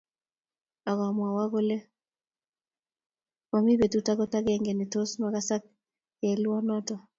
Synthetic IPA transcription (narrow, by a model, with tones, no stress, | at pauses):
a˨ɡa˨mwa˨wa˦ɡo˦le˦ | ma˨mi˦be˨tu˨ta˦ɡɔ˦ta˦ɡɛ˨ŋɡɛ˨nɪ˨to˦sma˨ka˦sa˦k̚ | jɛ˨lɔ˦nɔ˦tɔ˨